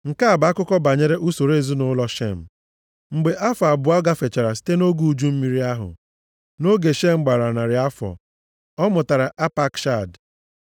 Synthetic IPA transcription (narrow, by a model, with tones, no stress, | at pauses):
ŋ̩˨ka˦a˨ba˨a˦kʊ˦kɔ˦ba˨ɲe˦ɾe˦ʔu˦so˨ɾe˦˨zu˦nʊ˦lɔ˦ʃḛ˦˨m̩˨ | ŋ͡m̩˨ɡ͡be˨ʔa˦fa˨bʊ˨˦a˦ɡa˦fe˨t͡ʃa˨ɾa˨si̥˦te˦no˦ɡu˦u˦d͡ʒu˦m̩˦mi˦ɾi˦a˦ɦʊ̰˨ | no˦ɡe˨ʃe˦˨ŋ͡m̩˨ɡ͡ba˨ɾa˨na˨ɾɪ˨a˦fɔ̰˨ | ɔ˦mʊ˨ta˨ɾa˨ʔa˦pa˦kʃa˦˨d